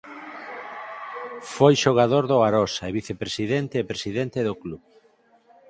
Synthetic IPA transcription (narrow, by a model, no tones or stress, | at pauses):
fojʃoɣ̞aðoɾðoaɾɔsaeβiθepɾesiðent̪eːpɾesiðent̪eðokluβ